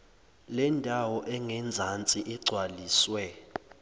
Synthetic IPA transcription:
lɛndʱawɔʔɛŋɛnd͡zʱant͡sʼiʔiɡ͡ǀʱwaliːswɛ

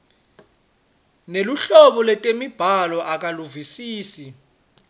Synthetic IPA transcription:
neluɬɔɓɔlɛtʼemib̥ʱalɔʔak̬ʼaluvisiːsi

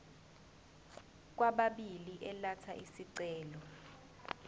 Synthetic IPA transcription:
k̬waɓaɓiliʔɛlatʰaʔisiǀɛːlɔ

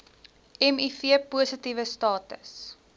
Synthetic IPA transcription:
ɛmifiəpuəsətivəstɑːtə̰s

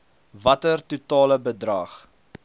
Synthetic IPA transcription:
vɐtərtutɑːləbədrɐχ

